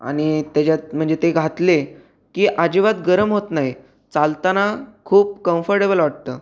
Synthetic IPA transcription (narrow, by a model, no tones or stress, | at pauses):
a̰ñit̪jat͡ɕat̪m̤əɳd͡zet̪eɡʱat̪le | kiːʔad͡ʑiʋat̪ɡəɾəmɦot̪naɦi | t͡salt̪anakʰuːp̚kə̃mfəɾʈebəlʋaʈ̚t̪əː